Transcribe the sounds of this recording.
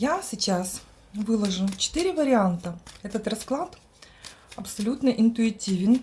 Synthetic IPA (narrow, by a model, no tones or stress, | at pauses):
jasʲɪt͡ɕas | vɨlˠəʐɨt͡ɕɪ̥t̪iɾʲɪvəɾʲɪant̪əɛt̪ət̪rɐsklˠat̪ | ɐpsɐlʲut̪nəʔɪnt̪ʊɪtʲivʲɪn